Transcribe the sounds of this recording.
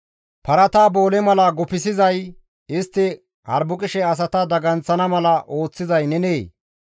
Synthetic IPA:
pɐɾɐt̪aːboːlɛmɐlɐɡɔpɪsɪzɐj | ɪst̪ːɪ | hɐ̰ɾbʊkʼɪʃɛɐs̬ɐt̪ɐd̪ɐɡɐnt͡sːɐnɐmɐlɐʔo̞ːt͡sːɪzɐjnɛneː

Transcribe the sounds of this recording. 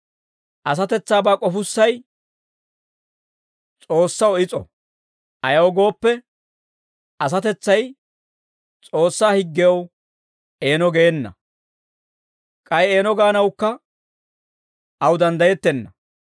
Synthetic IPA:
ʔɐs̬ɐt̪ɛt͡sːaːbaːkʼɔfʊsːɐj | t͡sʼo̞ːsːɐwɔɪt͡sʼɔ̰ | ʔɐjɐwɔɡo̞ːpːɛ | ɐs̬ɐt̪ɛt͡sːɐj | t͡sʼo̞ːsːaːhɪɡːɛjɐw | e̞ːnɔɡeːnːɐ̰ | kʼɐjeːnɔɡaːnɐwkːɐ | ɐwd̪ɐnd̪ɐjɛt̪ːɛnːɐ

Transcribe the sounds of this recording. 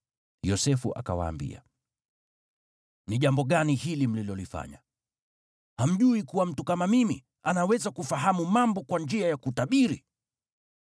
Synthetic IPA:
jɔsɛfṵʔa̰ka̰wa̰ːmbḭa̰ | niʄambɔɠanihilim̩lilɔlifa̰ɲa | ham̩ʄuikuwam̩tukamamimi | anawɛzakufaɦamumambɔkwand͡ʒiajakutaɓiɾi

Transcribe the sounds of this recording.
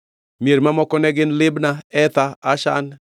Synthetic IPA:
mjeɾmamɔkɔnɛɡɪnlɪbnaɛt̪aaʃa̰n

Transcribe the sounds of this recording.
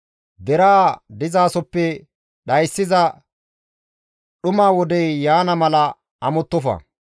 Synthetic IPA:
d̪ɛɾaːd̪ɪzaːsɔpːɛ | ɗɐjsːɪzɐ | ɗʊmaːwɔd̪ɛjːaːnɐmɐlɐ | ɐmɔt̪ːɔfɐ̰

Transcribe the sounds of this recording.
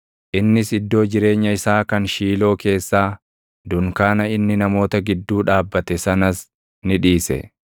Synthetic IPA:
ʔɪnːɪsɪd̪ːo̞ːd͡ʒɪɾe̞ːɲːɐɪsaːkɐnʃiːlo̞ːke̞ːsːaː | d̪ʊŋkaːnɐɪnːɪnɐmo̞ːt̪ɐɡɪd̪ːuːᶑaːbːɐt̪ɛsɐnɐs | nɪᶑiːsɛ̰

